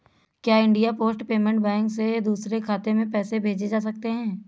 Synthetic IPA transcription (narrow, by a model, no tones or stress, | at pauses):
kjaːɪ̃ɳɖijapoːsʈpeːmɛ̃ɳʈ̚bɛ̃ːŋksed̪uːsɾekʰaːt̪emẽpɛːsebʱeːd͡ʒed͡ʒaːs̬ɐk̚t̪eɦɛ̃ː